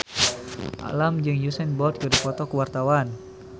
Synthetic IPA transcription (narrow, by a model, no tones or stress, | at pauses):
ʔa̰lamd͡ʒɨŋjusɛnbɔrt̪̚kədifɔt̪ɔkəwart̪awan